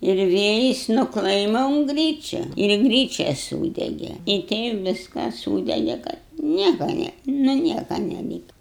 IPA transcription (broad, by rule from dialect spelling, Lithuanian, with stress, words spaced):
ɪr ˈʋʲeːjɪs nʊ ˈklˠɐɪmɐ ʊn ˈɡrʲiːt͡ʃʲɛ ɪr ˈɡrʲiːt͡ʃʲɛ ˈsuːdʲɛɡʲɛ ɪ ˈtʲɛɪp ˈʋʲɪskɐs ˈsuːdʲɛɡʲɛ kɐt ˈnʲiɛkɐ nʲɛ nʊ ˈnʲiɛkɐ nʲɛˈlʲiːkɐ